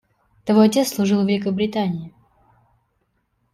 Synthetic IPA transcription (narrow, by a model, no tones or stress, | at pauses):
t̪ɐvojɐtʲet̪lˠʊʐɨlˠvʲɪlʲɪkəbɾʲɪt̪anʲɪɪ